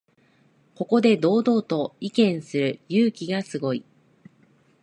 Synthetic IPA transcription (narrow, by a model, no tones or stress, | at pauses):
ko̞ko̞d̪e̞d̪o̞ːd̪o̞ːt̪o̞ikẽ̞ɰ̃sɨɾɯ̟jɯːkʲiɡasɨɡo̞i